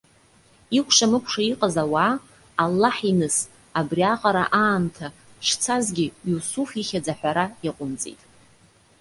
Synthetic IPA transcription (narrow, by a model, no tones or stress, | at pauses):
ikʷʰʼʂamɨkʷʰʂaiqʼazawaː | lːaħinɨs | abriaqʼaɾaʔaːntʰa | ʃt͡sʰazɡʲɪjusufiχʲad͡zaħʷᶣaɾaaqʷʼʊnt͡sʼḭtʼ